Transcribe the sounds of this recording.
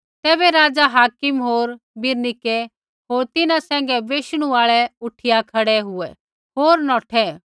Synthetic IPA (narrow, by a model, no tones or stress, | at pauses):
t̪ɛːbɛɾaːd͡ʒaɦaːkɪmɦoːɾ | bɪɾnɪkɛ | ɦoːɾt̪ɪnãsɛ̃ːŋ̆ɡɛbeːʃɽ̃ũaːɭɛʊʈʰɪjakʰɐɽɛɦʊɛ | ɦoːɾnɔːʈʰɛ